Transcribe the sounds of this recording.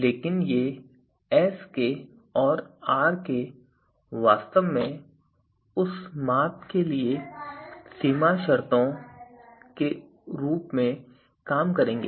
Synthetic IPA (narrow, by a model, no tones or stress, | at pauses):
leːkɪnje | ɛːske | ɔːɾaːɾke | ʋaːst̪əʋmẽ | ʊsmaːt̪kelie | siːmaʃɐɾt̪õ | ke | ɾuːpmẽ | kaːmkɐɾẽːŋɡeː